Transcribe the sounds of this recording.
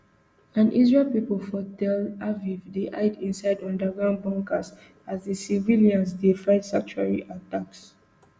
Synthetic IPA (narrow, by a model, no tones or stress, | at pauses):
ãnʔḭzɹelpipəlfɔtɛlavivdiʔa̰ɪdĩnsaɪdɔ̃ndəɡɹãʊ̃n̚bɔ̃ŋkəs | azdəsiviliãnzdefɹaɪdsãk̚t͡ʃuaɹiʔataks